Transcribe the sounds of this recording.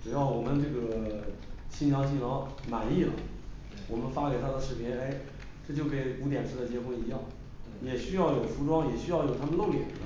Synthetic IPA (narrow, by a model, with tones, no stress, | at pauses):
ʈ͡ʂɻ̩˨˩jɑ˥˩ʊwɔ˨˩mə˦nʈ͡ʂɤ˥˩ɡə˩ | ɕi˥njɑ˧˥ʊt͡ɕi˥˩lə˧˥ma˨˩˦ni˥˩lə̰˩ | wɔ˨˩mə˦nfa˥ke˨˩ɪa˥d̪ə˨ʂɻ̩˥˩pʰjɛ˧˥ne˥ɪ | ʈ͡ʂɤ˥˩t͡ɕjo˥˩ʊke˧˩ɪu˧˥t̪jɛ˨˩nʈ͡ʂʰɻ̩˥d̪ə˨t͡ɕjɛ˧˥kʊ˧˥ŋi˧˥jɑ˥˩ŋ | jɛ˨˩ɕy˥jɑ˥˩ʊjo˨˩ʊfu˧˥ʈ͡ʂwɑ˥ŋjɛ˨˩ɕy˥jɑ˥˩ʊjo˨˩t̪ʰa˥mə˧nlo˥˧ʊljɛ̰˥˩˦n